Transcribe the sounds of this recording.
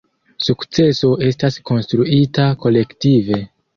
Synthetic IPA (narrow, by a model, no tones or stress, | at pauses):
sukt͡se̞so̞ʔe̞stasko̞nstɾuitako̞le̞ktive̞